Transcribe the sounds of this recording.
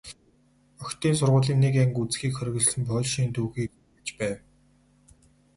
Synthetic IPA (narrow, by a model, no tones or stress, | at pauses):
œxkʲt̪iːnsʊrʁʊːɮiːŋnekæŋkut͡sxiːkχœɾʲɪ̆ɣ̆ɮsɘ̆mpœɮʃiːnt̪ʰuːxiːk̚ | t͡ɕpæːw